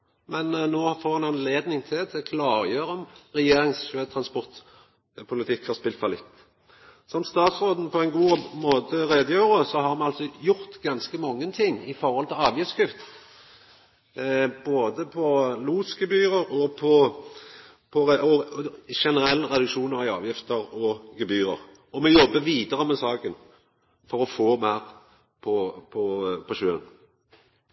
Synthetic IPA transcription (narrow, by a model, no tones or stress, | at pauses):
mɛnːoːfoːɾɛnɑnleːd̪nɪŋt̪ʰɪlt̪ɛkʰlɑːɾjøːɾəɔmɾɛjeːɾɪŋsʃøːt̪ʰɾɑnspɔʁt̪ | pʰʊlɪt̪ʰɪkhɑʁspɪlt̪fɑlɪt̪ː | sɔmst̪ɑːt̪sɾoːd̪n̩pʰɔɛnɡuːmoːt̪əɾeːd̪əjøːɾəsɔɦɑɾmɛnɑlsɔjʊɾt̪ɡɑnskəmɔŋːənt̪ʰɪŋːɪfɔɾhɔlt̪ʰɪlɑːʋjəskʰʉft̪ | b̥oːd̪əpʰɔluːsɡɛbyːʁəɾɔpʰɔ | pʰɔɾɛʔɔʃɛnəɾɛlːəʁɛd̪ʉkʂuːnəʁɪɑ̰ːʋjɪft̪əɾɔɡɛbyːɾə̰ɾ | ɔmɛjɔbːəʋiːd̪əʁəmɛsɑːkən | fɔɾɔfoːmæːɾ | pʰɔpʰɔpʰɔʃøːə̰n